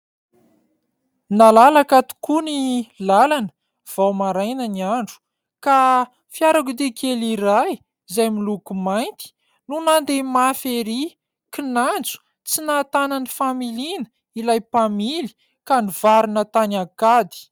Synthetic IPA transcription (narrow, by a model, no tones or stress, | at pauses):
nalalakat̪u̥kunilalanə̥ | v̥awmaɾajnəniaɳɖ͡ʐu̥ | ka | fiaɾakud̪ekʰeliɾaj | zajmilukumajnt̪i̥ | nunand̪emafeɾi | kinand͡zu̥ | t͡sinat̪ananifamilinə | ilajpamili̥ | kanivaɾinət̪anakad̪i̥